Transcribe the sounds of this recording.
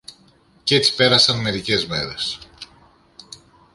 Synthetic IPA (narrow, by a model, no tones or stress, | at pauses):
cet͡si̥pe̞ɾɐsɐnme̞ɾice̞zme̞̰ɾe̞s